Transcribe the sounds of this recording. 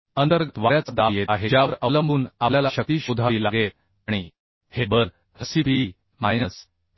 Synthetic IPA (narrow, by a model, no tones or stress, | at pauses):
ənt̪əɾɡət̪ʋaɾjat͡səd̪ajet̪aɦed͡ʑjaəɾələmbuːnaljalaɕək̚t̪iːɕud̪ʱaɾiːlaɡet̪̚ | aɽ̃i | hebəɾ | həsipi | majnəs